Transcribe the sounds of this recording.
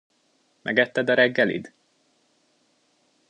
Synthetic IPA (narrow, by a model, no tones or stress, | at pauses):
mʔɛ̰ɡɛt̪ːɛd̪ɒɾɛɡːɛlḭd̪